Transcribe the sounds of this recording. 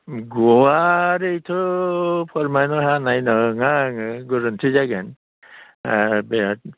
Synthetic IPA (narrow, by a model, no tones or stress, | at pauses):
ɡɔwaɾejtʰɔpʰɔɾmajnɔɦanajnɔŋaŋɯɡɔɾɯntʰizaɡan | beat̚